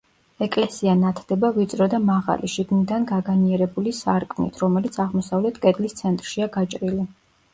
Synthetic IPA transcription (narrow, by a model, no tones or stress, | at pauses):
ɛkʼlɛsianat̪ʰd̪ɛbavit̪sʼɾɔd̪amaʁa̰liʃiɡnid̪anɡaɡaniɛɾɛbulisaɾkʼmnḭt̪ʰɾɔmɛlit̪sʰaʁmɔsavlɛt̪ʰkʼɛd̪list̪sʰɛnt̪ʼɾʃiaɡat͡ʃʼɾili